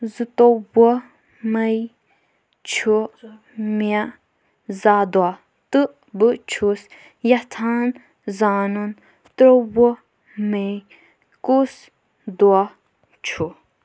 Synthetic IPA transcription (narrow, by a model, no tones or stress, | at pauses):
zɨt̪owə | mɐj | t͡ʃʰu | ma | zaːd̪wa | t̪ɨ | bɨt͡ʃʰus | jat̪ʰaːn | zaːnun | t̪ɾowə | mej | kus | d̪ua | t͡ʃʰu